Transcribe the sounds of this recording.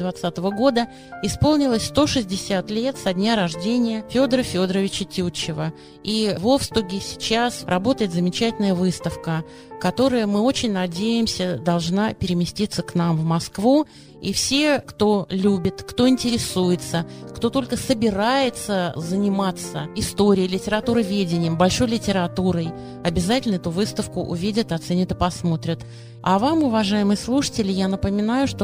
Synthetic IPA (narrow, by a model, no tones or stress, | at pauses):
d̪vɐt̪sat̪əvəɡo̞d̪ə | ɪspo̞lˠnʲɪlˠəsʲst̪o̞ʂɨzʲdʲɪsʲat̪lʲe̞t̪sɐdʲnʲaɾɐʐdʲenʲɪjəfʲo̞d̪ɾəfʲo̞d̪ɾəvʲɪt͡ɕətʲut͡ɕːɪvə | ivofst̪ʊɡʲɪsʲɪ̥t͡ɕasrɐbo̞t̪əjɪt̪zəmʲɪt͡ɕætʲɪlnəjəvɨst̪əfkə | kɐt̪o̞ɾəjəmɨo̞t͡ɕɪnʲnɐdʲejɪmsʲəd̪ɐlˠʐnapʲɪɾʲɪmʲɪsʲtʲit̪səknamvmɐskvu | ifsʲe̞kt̪o̞lʲubʲɪt̪kt̪o̞ɪnʲtʲɪɾʲɪsujɪt̪səkt̪o̞t̪o̞lʲkəsəbʲɪɾajɪt̪səzənʲɪmat̪səɪst̪o̞ɾʲɪjəlʲɪtʲɪɾɐt̪uɾɨvʲedʲɪnʲɪjəmbɐlʲʂo̞jlʲɪtʲɪɾɐt̪uɾəj | ɐbʲɪzatʲɪlʲnəɛt̪ʊvɨst̪əfkʊʔʊ̰vʲidʲət̪ɐt̪sɛnʲɪt̪ɨpɐsmo̞t̪ɾʲɪt̪ | avamʊvɐʐajɪmɨjəslˠuʂə̥tʲɪlʲɪjanəpəmʲɪnajʊʂt̪o